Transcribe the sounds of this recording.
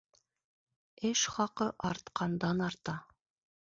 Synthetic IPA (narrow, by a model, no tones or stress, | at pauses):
ɘʃχɑqɤʔɑɾt̪qʰɑnd̪ɑnɑɾt̪ɑ